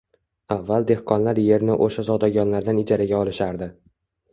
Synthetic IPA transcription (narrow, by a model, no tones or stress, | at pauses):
avːalˠd̪e̞hqʰɒnlaɾje̞ɾnɪʔoʃazɒd̪ɒɡʲɒnlaɾd̪anɪd͡ʒaɾaɡʲaɒlˠɪʃaɾd̪ɪ